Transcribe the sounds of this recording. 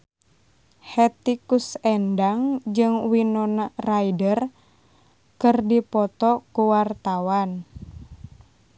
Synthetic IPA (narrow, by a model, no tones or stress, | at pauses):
hɛt̪ikusɛndaŋd͡ʒɨŋwinɔnaraidər | kɨrdipɔt̪ɔkuwart̪awan